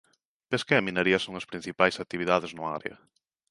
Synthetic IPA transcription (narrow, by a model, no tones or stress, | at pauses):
peskeɐmineɾiɐsoŋɐspɾin̟θipajsat̪iβiðaðeznʊa̰ɾḛɐ̰